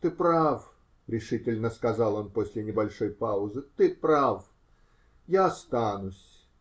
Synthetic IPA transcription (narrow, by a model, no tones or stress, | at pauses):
t̪ɨpɾaf | ɾʲɪʂɨtʲɪlʲnəskɐzɑlˠo̞nposʲlʲɪnʲɪbɐlʲʂo̞jpaʊzɨt̪ɨpɾaf | jaɐst̪anʊsʲ